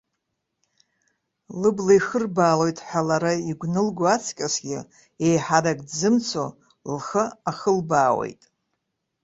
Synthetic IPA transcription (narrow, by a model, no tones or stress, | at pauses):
lɨblajχərbaːlo̞jtʼħalaɾaiɡʷnɨlɡʷoat͡sʰkʲʼasɡʲɪ | ejħaɾaɡʼdzɨmt͡sʰo | lχəaχəlbaːwḛjtʼ